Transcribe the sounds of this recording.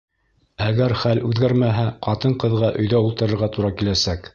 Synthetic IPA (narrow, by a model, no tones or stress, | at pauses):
æɡæɾχælʉðɡæɾmæɦæqɑt̪ɤɴqɤ̆ðʁɑʔɵ̆jðæulˠt̪ɤ̆ɾɤ̆ɾʁɑt̪uɾɑkilæsæk